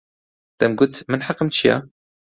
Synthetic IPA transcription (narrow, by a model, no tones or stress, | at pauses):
t̪amɡʊt̪mɪnħɑqːəmʃja̰